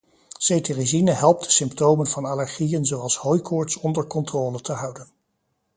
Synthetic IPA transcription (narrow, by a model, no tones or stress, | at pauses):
sejterizinəɦɛlˠp̚ddə̥sɪmptowmənvɑnalɛɹχijənzowɑlˠshojkʰɔːɹtsɔndəɹkɔntroːlətʰəɦɑwdən